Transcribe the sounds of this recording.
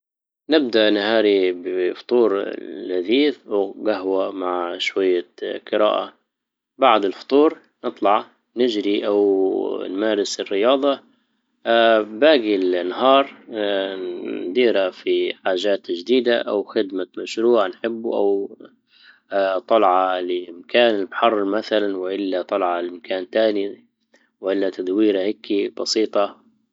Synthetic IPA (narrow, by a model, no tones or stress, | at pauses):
nɪb̚d̪aʔnhaːɾibɪft̪ˤuːɾlhaðiːθwɡaɦwamaʕʃwajːaqɨɾa̰ːʔa | baʕd̪ɪlft̪ˤuːɾ | nɨt̪ˤlɑʕ | nɪd͡ʒɾiʔawnmaːɾɪsɪrːɪjɑːd̪ˤɑ | baːɡilnɦɑːɾˤ | nd̪iːɾafiħaːʒaːt̪ʒd̪iːd̪aʔa̰wxɪd̪mamaʃɾuːʕanħɪbːuʔa̰w | t̪ˤɑlʕɑlɪɪmkʰaːnɪlbħɑrˤːmaθalanwɪʔɪlːat̪ˤɑlʕɑlɪmkʰaːnt̪aːni | wʔɪlːat̪ad̪wiːɾahɪkːib̥ɑsiːt̪ˤɑ